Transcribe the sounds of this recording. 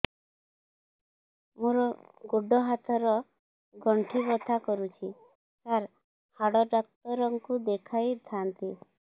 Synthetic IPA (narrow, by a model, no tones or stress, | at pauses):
muɾɔɡoɖɔɦat̪ʰɔɾɔ | ɡɔɳʈʰibɔt̪ʰakɔɾut͡ʃʰi | kaɾ | haɽɔɖak̚t̪ɔɾɔŋkud̪ekʰajt̪ʰant̪i